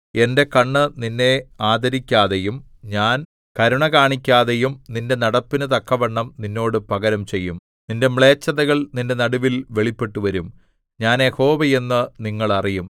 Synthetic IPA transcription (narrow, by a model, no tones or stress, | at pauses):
e̞nde̞kɐɳːɨninːe̞aːd̪ɐɾikʲːaːðejum | ɲaːn | kɐɾuɳɐkaːɳikʲːaːðejumninde̞nɐɽɐpːinɨt̪̬ɐkːɐʋɐɳːɐmninːo̞ːɽɨpɐɣɐɾɐmt͡ɕe̞jːum | ninde̞mɭe̞ːt͡ɕːɐðɐɣɐɭninde̞nɐɽuʋilʋe̞ɭipːe̞ʈːuʋɐɾum | ɲaːnjeho̞ːʋɐje̞nːɨniŋːɐɭɐrijum